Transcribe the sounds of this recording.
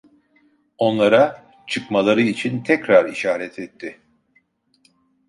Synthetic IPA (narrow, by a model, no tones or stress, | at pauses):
o̞nlˠaɾa | t͡ʃʰɯkmalˠaɾɯit͡ʃʰint̪ʰɛcɾaɾiʃaːɾɛt̪ʰɛt̪ʰːɪ